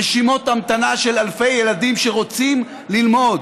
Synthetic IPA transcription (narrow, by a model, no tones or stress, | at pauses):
eʃimo̞tamt̪anaʃe̞lalfe̞jːeladimʃeʁo̞t͡sim | lilmo̞d